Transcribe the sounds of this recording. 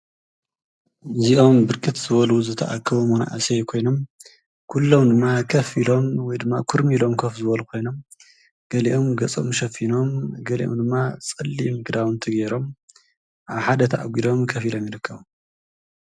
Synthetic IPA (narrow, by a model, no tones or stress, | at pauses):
ɨziʔo̞mbɨɾkʼɨt̪zɨβɐluzɨt̪ʰɐʔakʰːɐβumona̰ʔasejkʰo̞jno̞m | kʰulːo̞md̪ɨmːakʰɐfilo̞mwɔjd̪ɨmːakʰuɾmilo̞mkʰofzɨβɐlukʰo̞jno̞m | ɡ̥ɐliʔomɡɐt͡sʼo̰mʃɐfino̞mɡɐlḭʔomd̪ɨmːat͡sʼɨlːimɨɡɨd̪awɨnt̪ʰɐɡeɾo̞m | ʔaβħad̪ɐt̪ʰɐʔaɡʷid̪o̞mkʰɐfilo̞mjɪɾɨkʰːɐβo